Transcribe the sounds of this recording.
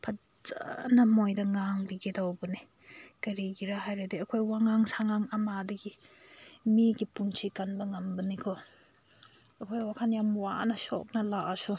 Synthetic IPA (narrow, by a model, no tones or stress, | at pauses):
pʰɐ | za̰nɐmojdɐŋaŋbiɡidawbɐni | kɐɾiɡiɾaɦajɾadiɐkʰojwaŋaŋsaŋaŋɐmadɐɡi | miɡipunt͡ʃʰikanbɐŋɐmbɐnikʰɔ | ɐkʰojwakʰanjamwanɐsɔ̰k̚nɐlaʔasu